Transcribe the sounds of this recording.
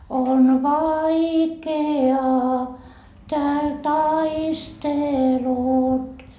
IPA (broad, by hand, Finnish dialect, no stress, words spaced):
on ʋɑikeɑː tæːl tɑistelut